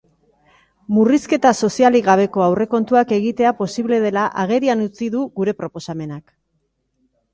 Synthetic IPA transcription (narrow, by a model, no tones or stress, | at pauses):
muriske̞t̪aso̞sialiɣaβ̞e̞ko̞awre̞ko̞nt̪uake̞ɣit̪e̞apo̞siβle̞ð̞e̞laʔaɣ̞e̞ɾianut͡siðuɣuɾe̞pɾo̞po̞same̞nak